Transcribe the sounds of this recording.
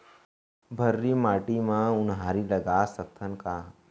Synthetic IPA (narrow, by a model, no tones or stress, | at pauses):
bʱəɾːimaːʈimãʊnɦaːɾilɐɡasək̚t̪ʰənkaː